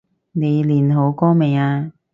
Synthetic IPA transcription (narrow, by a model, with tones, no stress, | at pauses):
ne˨˧jliː˨˩nɦo˨˧˥wkɔː˥me˨˧jaː˧